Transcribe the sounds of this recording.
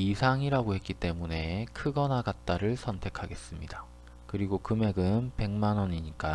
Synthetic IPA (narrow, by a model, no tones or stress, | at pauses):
isʰaŋiɾaɡoɦhe̞t̚k͈it͈e̞mune̞kʰɯɡʌnaɡat̚t͈aɾɯɭsʰʌntʰe̞kʰaɡe̞s͈ɯmɲida | kɯɾiɡokɯme̞ɡɯnpe̞ŋmanʌɲiɲik͈a